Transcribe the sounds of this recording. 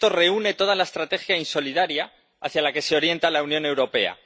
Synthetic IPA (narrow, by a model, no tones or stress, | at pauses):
t̪o̞re̞une̞t̪o̞ð̞alae̞st̪ɾat̪e̞xjainso̞liðaɾja | a̰θjalake̞se̞o̞ɾje̞nt̪alaunjõ̞ne̞wɾo̞pe̞̰a̰